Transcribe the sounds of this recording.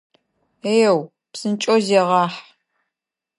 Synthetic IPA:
eːjw | psɨnt͡ʃʼozeʁɑːħ

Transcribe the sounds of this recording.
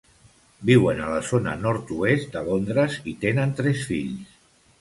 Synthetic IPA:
biwənələzonə̰nɔɾt̪uest̪̚d̪əlond̪ɾəzit̪enənt̪ɾɛsfiʎs

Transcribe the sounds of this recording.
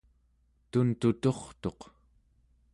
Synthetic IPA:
t̪unt̪ut̪o̞χt̪o̞q

